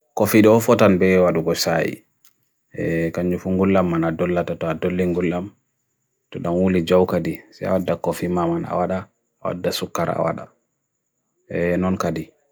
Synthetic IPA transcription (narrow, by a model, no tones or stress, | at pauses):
kofiɗɔɔfɔtanbɛwaɗuɡɔsajḭ | ɛkaɲd͡ʒufuŋɡulːamːanadɔlːatatɔadolːiŋɡulːam | tɔɗanwulid͡ʒawkadisaa̰wadːakofimamana̰waɗaː | wa̰dːasukːaɾa̰wa̰ɗa̰ | ɛnɔnkadi